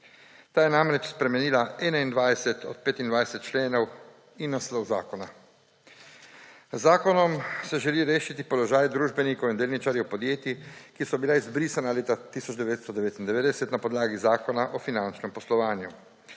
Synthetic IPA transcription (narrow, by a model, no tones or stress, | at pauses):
t̪aːjɛnamɾɛt͡ʃspɾɛmɛniːlaɛːnaind̪ʋajsɛt̪ʰɔt̪̚peːt̪ind̪ʋajsɛt̪̚t͡ʃleːnɔw | inːaslɔwza̰ːkɔna | zːaːkɔnɔmsɛʒɛliɾeːʃit̪ipɔlɔʒaːjd̪ɾuːʒbɛnikowind̪eːlnit͡ʃaːɾjɛwpɔd̪jeːt̪ikisɔbilaizbɾiːsanaleːt̪at̪isɔd͡ʒd̪ɛʋeːt̪st̪ɔd̪ɛʋeːt̪ind̪ɛʋeːd̪ɛsɛt̪napɔd̪laːɡizaːkɔnaʔɔfinant͡ʃnɛmpɔslɔʋaːnju